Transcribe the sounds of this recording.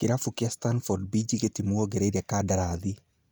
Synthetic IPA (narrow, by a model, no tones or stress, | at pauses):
kɪɾafukiastanfɔɾd̚bid͡ʒiɡetimuɔɡɛɾedakadaɾaði